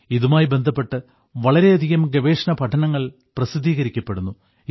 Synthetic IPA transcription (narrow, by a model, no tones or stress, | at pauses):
iðumaːjibe̞nd̪ʱɐpːe̞ʈːɨ | ʋɐɭɐɾe̞ɐd̪ʱiɣɐmɡɐʋe̞ːʂɐnɐpɐʈʰɐnɐŋːɐɭ | prɐsid̪ːiːɣɐɾikʲːɐpːe̞ɽunːu